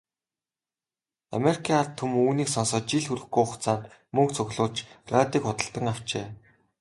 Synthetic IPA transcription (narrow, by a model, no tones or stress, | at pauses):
a̰meɾikʲʰiŋart̪ʰːɵmuːniːksɔnsɔːt͡ɕiɮxuɾɘ̆xɡujʊχt͡saːnt̪mɵŋkt͡sʰɵɣɮʊːɮt͡ɕrat̪iːkχʊt̪ə̆ɬt̪ə̆ŋaw̥t͡ɕeː